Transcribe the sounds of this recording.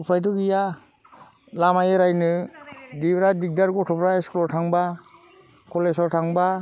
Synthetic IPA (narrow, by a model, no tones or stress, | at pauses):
pʰajdɔɡija | lamajɯɾajnɯdibɾadik̚daɾɡɔtʰɔpɾaeskɔlɔɾtʰaŋba | kʰɔlesɔɾtʰaŋba